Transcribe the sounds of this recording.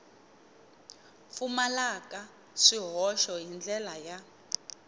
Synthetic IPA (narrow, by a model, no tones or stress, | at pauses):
fumalakʼa | ʂiɦɔʃɔjind͡ɮʱɛlaja